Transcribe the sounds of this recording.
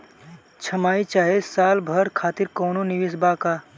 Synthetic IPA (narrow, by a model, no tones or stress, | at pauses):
t͡ʃʰɐmaːit͡ʃaːɦesaːlbʱəɾkʰaːt̪iɾkɔːnoniʋis̬baːkaː